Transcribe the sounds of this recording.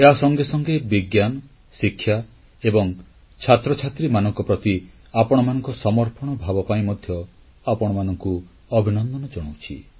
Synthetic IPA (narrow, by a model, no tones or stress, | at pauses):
eɦasɔŋɡesɔŋɡebiɡjanɔ | sikʰːja | ebɔŋ | t͡ʃʰat̪ɾɔt͡ʃʰat̪ɾimanɔŋkɔpɾɔt̪i | apɔɽ̃ɔmanɔŋkɔsɔmɔɾpɔɽ̃ɔbʱabɔpaĩmɔd̪ʱjɔ | apɔɽ̃ɔmanɔŋku | ɔbʱinɔnd̪ɔnɔd͡ʒɔɽ̃owt͡ʃʰḭ